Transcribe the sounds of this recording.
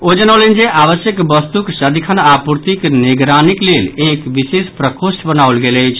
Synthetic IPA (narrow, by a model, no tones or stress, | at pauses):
od͡ʒənawlənd͡ʒeʔaʋəsjəkbəst̪uksəd̪ikʰənapuɾt̪ikneɡɾaniklelekʋisespɾəkosʈbənaulɡeləjt͡ʃʰ